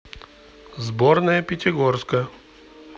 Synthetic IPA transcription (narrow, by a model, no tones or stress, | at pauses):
zbornəjəpʲɪtʲɪɡorskə